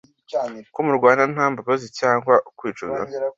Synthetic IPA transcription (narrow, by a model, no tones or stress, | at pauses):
komuɾɡwaːnan̥haːmbaβazicaːŋɡwaʔukwiːt͡ʃuɡa̰